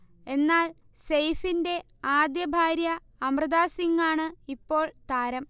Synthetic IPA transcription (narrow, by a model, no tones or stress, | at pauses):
e̞nːaːl | sejfinde̞ | aːd̪jɐbʱaːɾjɐ | ɐmrɨðaːsiŋːaːɳɨipːo̞ːɭt̪aːɾɐm